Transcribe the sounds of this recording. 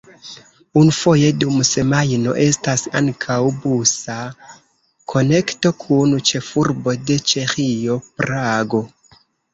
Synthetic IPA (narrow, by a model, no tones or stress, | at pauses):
unufoje̞dumse̞majno̞̰ʔe̞stasa̰ŋkʰawbusa | kʰo̞ne̞kto̞kʰunt͡ʃe̞fuɾbo̞de̞t͡ʃe̞xio̞pɾaɡo